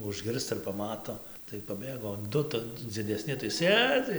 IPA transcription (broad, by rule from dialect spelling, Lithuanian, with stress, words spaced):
ʊʒʲˈɡʲɪrstɐ ɪr pɐˈmɑːtoː tɐɪ pɐˈbʲeːɡoː oː ˈdʊ tɐ d͡zʲɪdʲɛˈsʲnʲɪ tɐɪ ˈsʲeːd͡zʲɪ